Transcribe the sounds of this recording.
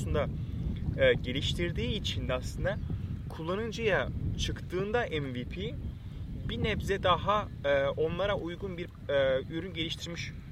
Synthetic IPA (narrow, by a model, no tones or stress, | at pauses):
und̪a | ɯɟe̞lʲiʃt̪ʰiɾd̪iːit͡ʃʰind̪ɛaslˠɯnd̪akʰulˠːanɯnd͡ʒɯjat͡ʃʰɯkt̪ʰɯːnd̪aʔɛnvipʰi | binɛbzɛd̪aɦaːo̞nlˠaɾaʔujɡunbiɾ | yɾynɟelʲiʃt̪ʰiɾmiʃ